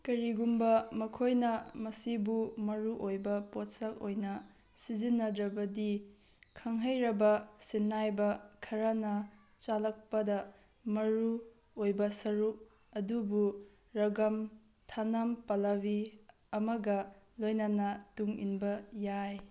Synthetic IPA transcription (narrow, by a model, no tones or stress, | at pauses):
kɐɾiɡumbɐmɐkʰojnɐmɐsibumɐɾuʔojbɐpotsɐlojnɐ | sizinːɐdɾɐbɐdi | kʰɐŋɦɐjɾɐbɐsinːajbɐkʰɐɾanɐ | t͡ʃalɐk̚pɐdɐ | mɐɾu | ojbɐsɐɾup̚ | ɐdubu | ɾɐɡɐm | tʰanɐmpɐlabi | ɐmɐɡɐ | lojnɐnɐtuŋḭnbɐjaj